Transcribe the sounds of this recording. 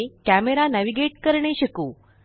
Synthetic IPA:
kæmeɾanæʋiɡeʈkəɾɳeɕəkuː

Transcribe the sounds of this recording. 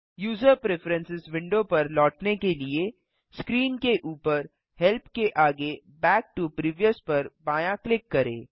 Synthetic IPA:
juːzəɾpɾefəɾə̃nsɪzʋɪ̃ɳɖopɐɾlɔːʈnekelie | skɾiːnkeʔuːpəɾ | hɛlpkeʔaːɡe | bɛːk̚ʈupɾiːʋijəspɐɾbaːjãklɪkːɐɾḛ̃ː

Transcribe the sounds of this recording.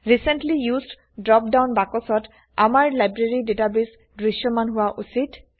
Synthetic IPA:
ɹisentlijuzd | dɹɔp̚dawnbakɔsɔt | a̰maɹlajbɹeɹidetabis | dɹisjɔmanɦʊwaʔusit

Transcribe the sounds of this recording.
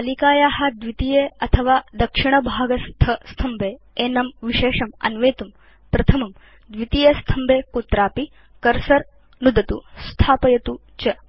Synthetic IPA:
ɐlikaːjaːɦɐd̪ʋit̪ijeɐt̪ʰɐʋaːd̪ɐkʂiɳɐbʱaːɡɐst̪ʰɐst̪ʰɐmbʱeː | eːnɐmʋiʃeːʂɐmɐ̰nʋeːt̪um | pɾɐt̪ʰɐmɐm | d̪ʋit̪ijest̪ʰɐmbʱeːkut̪ɾaːpi | kɐɾsɐɾ | nud̪ɐt̪ust̪ʰaːpɐjɐt̪u | t͡ʃɐ

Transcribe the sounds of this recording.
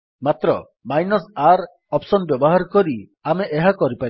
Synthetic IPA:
mat̪ɾɔ | majnɔsaɾ | ɔpsɔnbjɔbɔɦaɾkɔɾi | ameʔeɦakɔɾipa

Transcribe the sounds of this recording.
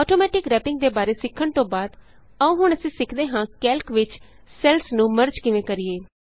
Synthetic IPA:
ɔːʈoːmɛːʈɪkɾɛːpɪŋɡd̪eːbaːɾeːsɪkʰːəɳt̪õːbaːd̪ | əũːɦʊɳəsĩːsɪkʰd̪eːɦãːkɛːlkʋɪt͡ʃ | sɛlsnũːməɾd͡ʒkɪʋẽːkəɾɪjeː

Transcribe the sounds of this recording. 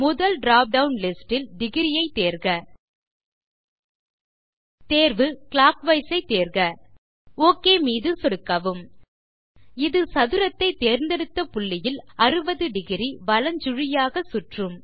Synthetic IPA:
mʊðɐlɖɾaːp̚ɖɐʋnlɪsʈɪlɖɪɣɪɾɪjɐɪt̪ːeːɾɣɐ | t̪eːɾʋɯkɭaːkʋɐɪsɐɪt̪ːeːɾɣɐ | oːkːeːmiːðɯsɔɽɯkːaːʋɯm | ɪðɯsɐðɯɾɐt̪ːɐɪt̪eːɾnd̪ɛɽɯt̪ːɐpʊɭːɪjɪlɐrɯbɐðɯɖɪɣɪɾiʋɐlɐɲd͡ʒʊɻɪjaːɣɐsʊʈrɯm

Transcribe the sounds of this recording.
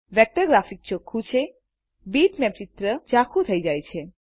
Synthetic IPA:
ʋɛk̚ʈəɾɡɾafik̚t͡ʃokʰːut͡ʃʰe | biʈmɛpt͡ʃit̪ɾəd͡ʒakʰut̪ʰəjd͡ʒajt͡ʃʰe

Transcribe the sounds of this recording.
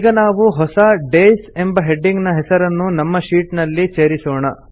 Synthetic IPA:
ɡɐnaːʋuɦɔsɐɖeːse̞mbɐɦe̞ɖːiŋɡnɐɦɛsɐɾɐnːunɐmːɐʃiːʈnɐlːit͡ʃeːɐɾisɔːɳɐ

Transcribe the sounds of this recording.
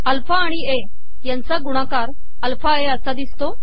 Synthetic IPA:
əlfaːɽ̃ie | jant͡saɡuɽ̃akaɾ | əlfʰaeəsad̪ist̪o

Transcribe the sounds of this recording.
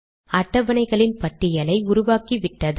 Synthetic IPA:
ɐʈːɐʋɐnɐɪɣɐɭɪnpɐʈːɪjɐlɐɪʊɾʊʋaːkiʋɪʈːɐð

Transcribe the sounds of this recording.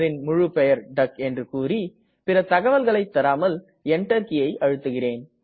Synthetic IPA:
ɾɪnmʊɻɯpɛjɐɾɖɐkɛndrɯkuːri | pɪrɐt̪ɐɣɐʋɐlɣɐɭɐɪt̪ːɐɾaːmɐl | ɛɳʈɐɾkɪjɐɪʔɐɻɯt̪ːɯɣɪreːn

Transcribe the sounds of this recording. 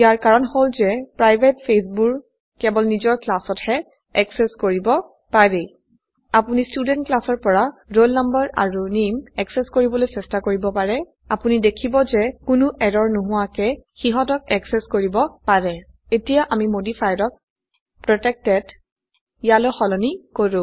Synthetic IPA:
ijaɹkaɹɔnholzɛpɹajbʱetpʰes̬buɹ | kɛbɔlnizɔɹklasɔthɛ | ɛksɛskoɹibɔ | paɹe | apunistudɛntklasɔɹpɔɹaɹolnambaɹa̰ɹunimɛksɛskoɹibɔlojsɛstakoɹibɔpaɹɛ | apunidekʰibɔzɛkʊnʊʔɛdɔɹnuɦʊwakɛxiɦɔtɔk̚ɛksɛskoɹibɔpaɹɛ | etijaʔamimodifʰajɹɔk̚ | pɹɔtɛk̚tɛd | jalɔjxɔlɔnikoɹʊ̃

